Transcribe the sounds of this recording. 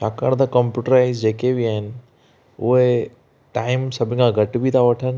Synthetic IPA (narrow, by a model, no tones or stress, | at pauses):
t͡ʃaːkəɽ̃d̪akə̃mpjuːʈəɾaːɪzd͡ʑeːkebʱiaːɦɪnɪ̆ | ʊ̰ɦe | ʈaːɪmsɐbʱɪkʰãɡʱɐʈbʱit̪ʰaʋɐʈʰən